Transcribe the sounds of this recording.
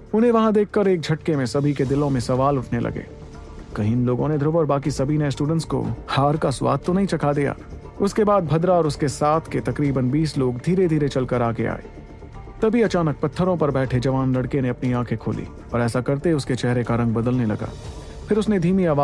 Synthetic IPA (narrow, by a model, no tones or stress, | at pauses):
ʊnɦẽʋɐɦãd̪eːkʰːɐɾeːk̚d͡ʒʱɐʈkemẽsɐbʱiked̪ɪlõmẽsɐʋaːlʊʈʰnelʔɐ̰ɡḛː | kɐɦɪnloːɡõned̪ʱɾoːʋəɾbaːkisɐbʱineɪsʈuːɖə̃ɳʈsko̰haːɾkaswa̰ːd̪̚t̪onɐɦĩt͡ʃɐkʰad̪ija̰ː | ʊskebaːd̪̚bʱɐd̪ɾaɔːɾʊskesaːt̪ʰket̪ɐkɾiːbənbiːsloːɡd̪ʱiːɾed̪ʱiːɾet͡ʃɐlkɐɾaːɡea̰ːḛː | t̪ɐbʱiɐt͡ʃaːnək̚pɐt̪ʰːəɾõpɐɾbɛːʈʰed͡ʒɐʋaːnlɐɽkeneɐpniãːkʰekʰo̰ːlḭː | ɔːɾɛːsakɐɾt̪eʊsket͡ʃɛɦɾekaɾɐ̃ŋɡ̚bɐd̪əlnelɐ̰ɡa̰ː | pʰɪɾʊsned̪ʱiːmiaːʋaː